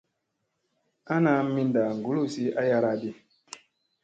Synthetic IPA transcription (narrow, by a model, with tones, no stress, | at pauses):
a˦na˨˦mi˦nda˨ŋ˨ɡu˦lu˦˨si˦a˦ja˦ɾa˦di˦